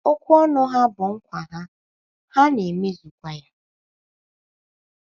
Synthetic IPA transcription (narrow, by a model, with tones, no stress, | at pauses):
o˦kʷu˦ɔ˦nʊ˦ɦa˦bʊ˨ŋ̩˦kʷa˨ɦa˦ | ha˦ne˨me˦zu˨kʷa˦ja˦